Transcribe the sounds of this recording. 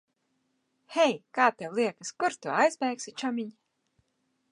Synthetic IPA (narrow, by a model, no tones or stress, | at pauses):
hɛjkaːt̪ɛwlˠiɛkɨskuɾt̪uajzbʲɛːksit͡ʃɔmʲiɲ